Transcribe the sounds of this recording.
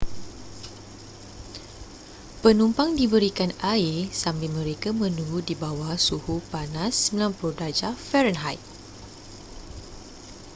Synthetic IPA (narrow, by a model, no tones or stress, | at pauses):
pənumpaŋdibəɾikanaisambilmə̃ɾekamə̃nuŋɡudibawasuhupanasːəməlãnplodad͡ʒafɛɾənɦajt̪̚